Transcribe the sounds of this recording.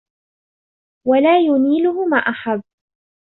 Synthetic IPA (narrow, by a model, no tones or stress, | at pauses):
walaːjʊniːlʊhʊmaːʔaħabː